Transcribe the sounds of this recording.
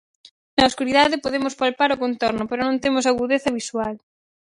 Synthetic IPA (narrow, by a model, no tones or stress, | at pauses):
nɐoskuɾiðaðɪpoðemʊspalpaɾʊkont̪ɔɾnʊpeɾonõnt̪emʊsaɣuðeθɐβiswal